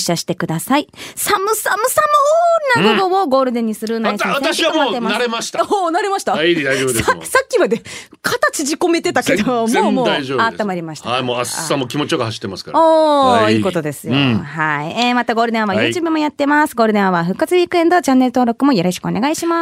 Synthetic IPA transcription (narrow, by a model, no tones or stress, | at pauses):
ɕːaɕi̥t̪e̞kɯ̟d̪asaisamɯ̟samɯ̟samɯoɾɯnaɡoɡooɡo̞ːɾɯ̟d̪ẽ̞ɲ̟ːisɨɾɯ̟naisãasaɕiaoemaaɾemaɕi̥t̪aonaɾe̞maɕi̥t̪aid̪ajobd̪sasakʲːimad̪e | kʰat̪at͡ɕiʑiko̞me̞t̪e̞t̪ake̞d̪omomoːd̪aoaamaɾʲimaɕi̥t̪aimoasa̰samːokʲimo̞t͡ɕijoɡahaɕi̥t̪ːemasɨ̥kaɾoːiːko̞t̪o̞d̪e̞sɨjo̰haiemat̪aɡo̞ːɾɯ̟d̪ẽɰãβajɯ̟ːt͡ɕɨːbɯ̟mo̞jat̪ːe̞masɨ̥ɡo̞ːɾɯd̪ẽãβaɸɯ̟kːat͡sɨβʲikɯe̞nd̪ot͡ɕãnːeɾɯ̟t̪oːɾo̞kɯ̟mo̞joɾo̞ɕi̥kɯ̟oneɡaiɕima